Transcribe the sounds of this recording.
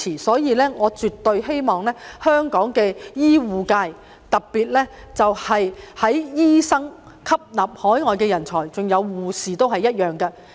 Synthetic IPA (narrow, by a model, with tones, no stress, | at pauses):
iː˨˩sɔː˨˥jiː˨˧lɛː˥ŋɔː˨˧t͡ʃyː˨t̪ːɵ˧ɥhe˥jmɔː˨˩ŋlɛː˥hœː˥ŋkɔː˨˥ŋkɛː˧jiː˥wuː˨kaː˧j | t̪ɐ˨k̚piː˨t̚lɛː˥ | t͡sɐ˨whɐ˨jhɐ˨˥jjiː˥sɐ˥ŋ | kʰɐ˥p̚naː˨p̚hɔː˨˥jŋɔː˨jkɛː˧jɐ˨˩nt͡sʰɔː˨˩jt͡sʊ˨ŋjɐ˨˧wːuː˨siː˨˩t̪o˥wɦɐ˨jɐ˥t̚jœː˨ŋkɐ˧